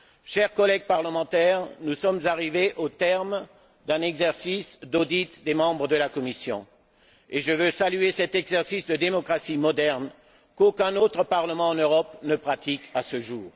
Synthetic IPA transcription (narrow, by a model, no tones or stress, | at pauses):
ʃɛʁkɔlɛɡ̚paʁləmɑ̃t̪ɛʁnusɔmzaʁiveʔot̪ɛʁm | d̪ɛ̃nɛɡzɛʁsisd̪od̪it̪d̪emɑ̃bʁəd̪əlakɔmisjɔ̰̃ | eʒəvøsalyesɛt̪ɛɡzɛʁsisd̪əd̪emɔkχasimɔd̪ɛʁn | kokʲɛ̃not̪χəpaʁləmɑ̃ɑ̃nøʁɔpnəpχat̪ikasəʒuːʁ